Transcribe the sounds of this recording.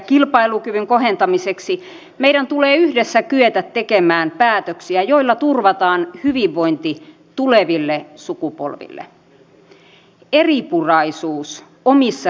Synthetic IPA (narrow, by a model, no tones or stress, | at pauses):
kilpɑilukyʋyŋko̞ɦent̪ɑmiseksi | mejɾænt̪uleːyhdesːækyøt̪æt̪ːe̞kemæːmpæːt̪øksiæjo̞ilːɑt̪urʋɑt̪ɑːnhyʋiʋːo̞jnt̪i | t̪uleʋilːesukupo̰lʋḭlːḛ | eripurɑisuːs | omisːɑ